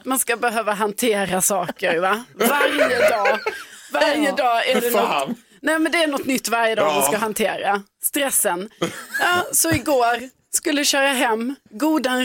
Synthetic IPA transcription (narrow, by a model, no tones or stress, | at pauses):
manskabəɦøːvaɦant̪ʰeːɾasɑːkəɾvavaɾjəd̪ɑːvaɾjəd̪ɑːæɖɛnɔ | nɛːmɛnd̪ɛæɳɔt̪ːnʏt̪ːvaɾjəd̪ɑ̰ːmanskaɦant̪ʰeːɾa | st̪ɾɛsːənɑːsɔɪɡoːɾ | skɵlːəɕœːɾaɦɛmːɡuːd̪a